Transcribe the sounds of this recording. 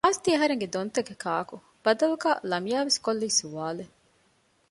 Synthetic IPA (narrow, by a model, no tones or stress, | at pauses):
aːst̪iɐɦɐɾeŋɡed̪ont̪ɐɡekʰaːku | b̥ɐd̪ɐluɡaːlɐmijaːʋeskolːiːsuʋaːle